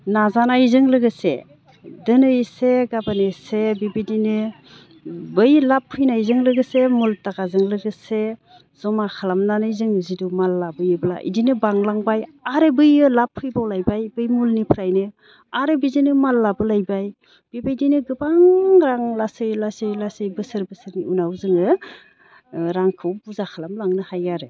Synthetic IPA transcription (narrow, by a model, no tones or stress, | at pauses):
nazanajzɯŋlɯɡɯsḛ | dɯnɯjseɡabanesebibidinɯ | bɯjlapʰːɯjnajzɯŋlɯɡɯsemultakazɯŋlɯɡɯse | zɔmakʰalamnanɯjzɯŋzidumalːabɯjɯbɯla̰ʔḭdinɯbaŋlaŋbajaɾebɯjɯlapʰːɯjbawlajbajbɯjmulnipʰɾajnɯ | aɾebizinɯmalːabɯlajbaj | b̥ibajdinɯɡɯbaŋɾaŋlasɯjlasɯjlasɯjbɯsɯɾbɯsɯɾniunawzɯŋɯ | ɾaŋkʰɯwbuzakʰalamlaŋnɯhajaɾe